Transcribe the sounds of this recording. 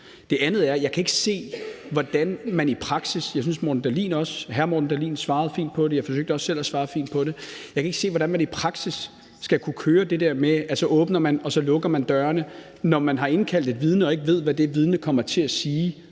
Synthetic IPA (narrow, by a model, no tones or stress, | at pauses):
d̥e̝ænð̞̩ˠæɐjɑ̈ɪkʰæe̝ɡ̥əse̝̰ːʋɒd̥ænmænipʰʁɑ̈ɡ̥sisjɑs̬ynsmodn̩d̥æɐlḭːnɒ̽sɦæɐmɔdn̩d̥æɐlḭːnsʋɑ̈ːð̩ˠfḭnd̥̚pʰɒ̽d̥e̝jɑɪfɒ̽s̬øɡ̥d̥əɒ̽sːel̰æsʋɑ̈ːfḭːnd̥̚pʰɒ̽de̝jɑ̈kʰæe̝ɡ̥se̝̰ːʋɒd̥ænmænipʰʁɑ̈ɡ̥sisː | ɡ̥ækʰukʰøːɐd̥e̝d̥eɐ̰meælsəɐʔɔ̽ːb̥nɐmænɒ̽sɒ̽lɔ̽ɡ̥ɐmænd̥ɶːɐnə | nɒmænɦɑ̈e̝nkʰæl̰d̥e̝d̥ʋið̞ˠnəɒ̽e̝ɡ̥əʋe̝ð̞̰ˠʋæd̥e̝ʋið̞ˠnəkʰɒ̽m̰ɐt͡sʰe̝æsiː